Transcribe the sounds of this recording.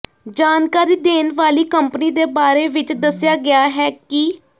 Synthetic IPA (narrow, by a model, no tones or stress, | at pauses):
d͡ʒaːnkaːɾiːd̪eːnʋaːliːkəmpniːd̪eːbaːɾeːʋɪt͡ʃd̪əsɪjaːɡɪaːɦɛːkɪ